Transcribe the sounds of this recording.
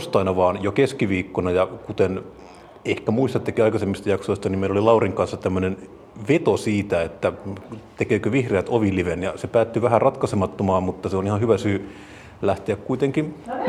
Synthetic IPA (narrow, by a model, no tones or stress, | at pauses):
ost̪ɑinɑʋɑːnjokeskiʋiːkːonɑjɑkut̪en | ehkæmuist̪ɑt̪ːekiɑikɑsemːist̪ɑjɑksoist̪ɑnimeilolilɑuriŋkɑnsːɑt̪æmːønen | ʋet̪osiːt̪æet̪ːæt̪ekøːkøʋihreæt̪oʋiliʋenjɑsepæːt̪ːyʋæhærɑt̪kɑsemɑt̪ːomɑːmmut̪ːɑseonihɑhyʋæsyː | læht̪eækkuit̪eŋkin